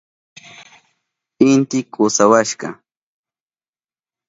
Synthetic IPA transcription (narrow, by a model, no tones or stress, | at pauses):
ɪnt̪ɪkʰʊsawaʃɢɑ̰